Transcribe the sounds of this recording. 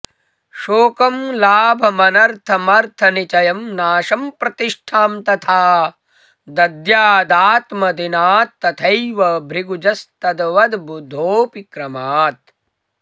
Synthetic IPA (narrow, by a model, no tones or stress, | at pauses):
ʃoːkɐmlaːbʱɐmɐnɐɾt̪ʰɐmɐɾt̪ʰɐnit͡ʃɐjɐmnaːʃɐmpɾɐt̪iʂʈʰaːmt̪ɐt̪ʰaː | d̪ɐd̪jaːd̪aːt̪mɐd̪inaːt̪ːɐt̪ʰɐjʋɐbʱɾiɡud͡ʒɐst̪ɐd̪ʋɐd̪bud̪ʱːoːpikɾɐmaːt̪